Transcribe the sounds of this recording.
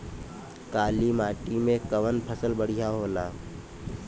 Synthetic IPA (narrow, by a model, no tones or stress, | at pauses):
kaːlimaːʈimẽkəʋənpʰəsəlbəɽ̤ijaɦoːlaː